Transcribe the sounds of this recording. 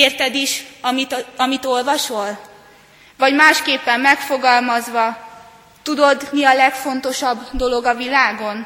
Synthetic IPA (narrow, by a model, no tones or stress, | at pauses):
eːrt̪ɛd̪iʃɒmiɒmit̪o̞lvɒʃo̞l | vɒɟmaːʃkeːpːɛmːɛkfo̞ɡɒlmɒzʋɒ | t̪ud̪o̞d̪niɒlɛkfo̞nt̪o̞ʃɒbd̪o̞lo̞ɡɒvilaːɡo̞n